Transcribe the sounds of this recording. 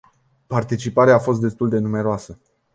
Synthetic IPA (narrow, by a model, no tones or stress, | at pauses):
part̪it͡ʃipaɾeaːfo̞st̪̚d̪e̞st̪uld̪e̞nume̞ɾoasə